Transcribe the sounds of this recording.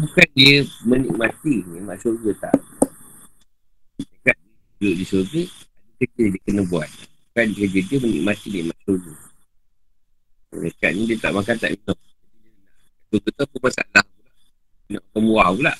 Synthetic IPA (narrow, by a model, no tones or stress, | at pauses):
bukandiəmənḭk̚mat̪iniʔmaʔsoɡət̪a̰ʔ | itakaʔ̪̚ɲə | idoʔdisoɡəadəkəd͡ʒədiəkənəbuat̪̚bukankəd͡ʒədiəmənḭk̚mat̪inḭʔmaʔsoɡə | aka̰ʔ̚ɲədiət̪a̰ʔmakant̪a̰ʔminoʔaidənaʔ | asoɡət̪akumasa̰lahpulaʔ | minɔʔakamuahpulaʔ